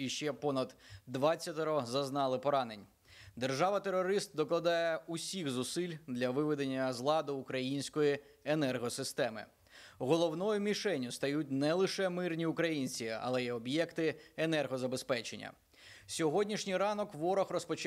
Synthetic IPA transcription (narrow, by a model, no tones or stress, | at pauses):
iʃt͡ʃɛpɔnɐd̪d̪ʋɑt͡sʲːɐt̪ɔɾɔzɐznɑlˠɪpɔɾɑne̞nʲ | d̪e̞rʒɑʋɐt̪eɾɔɾɪst̪̚d̪ɔklˠɐd̪ɑjɛusʲixzʊsɪlʲd̪lʲɐʋɪʋɪd̪enʲːɐzlˠɑd̪ʊːkɾɐjinʲsʲkɔji | enɛrɦɔsɪst̪ɛmɪ̰ | ɦɔlˠɔwnɔjʊmʲiʃɛnʲʊst̪ɐjutʲnɛlˠɪʃɛmɪrnʲiukɾɐjinʲt͡sʲiɐ̰lˠɛjɛɔbjɛkt̪ɪenɛrɦɔzɐbespɛt͡ʃenʲːɐ̰ | sʲɔɦɔdʲnʲiʃnʲijɾɑnɔkʋɔɾɔxrɔspɔt͡ʃ